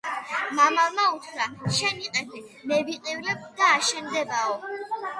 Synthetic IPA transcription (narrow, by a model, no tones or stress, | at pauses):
mamamautʰɾaʃɛniqʼɛtʰɛmɛviqʼivɾɛb̚d̪̥aːʃɛnd̪ɛbaɔ